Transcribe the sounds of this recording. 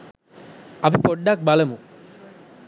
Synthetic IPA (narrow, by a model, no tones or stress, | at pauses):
ɐpipoɖːak̚balɐmu